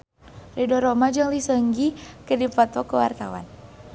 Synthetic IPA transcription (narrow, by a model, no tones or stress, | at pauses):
ridɔɾomad͡ʒɨŋlisəŋɡikədipɔt̪ɔkəwart̪awa̰n